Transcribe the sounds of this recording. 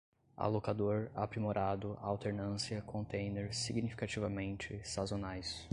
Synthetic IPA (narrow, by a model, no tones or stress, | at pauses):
a̰lokad̪oɾa̰pɾimoɾʔad̪ʊawt̪eɾnɐ̃siɐkʰõnt̪ẽj̃neɾsiɡnifi̥kat͡ʃivɐmẽnt͡ʃɪsazonajs